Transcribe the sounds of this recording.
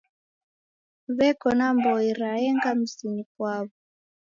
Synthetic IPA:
βɛkɔnambɔiɾaɛŋɡam̩sinikwaβɔ

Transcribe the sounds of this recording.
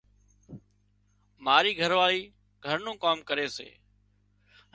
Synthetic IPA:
maːɾiːɡʱəɾʋaːliː | ɡʱəɾnũːkaːmkəɾeːsḛː

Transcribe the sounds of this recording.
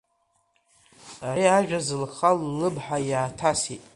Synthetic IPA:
aɾiaʒᶣazɨlχalːɨbħajaːtʰasitʼ

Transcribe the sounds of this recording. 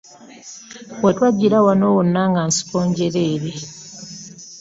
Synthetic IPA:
wotwaɟːiɾawanowonːaŋɡansi̥koːɲɟeɾeːɾe

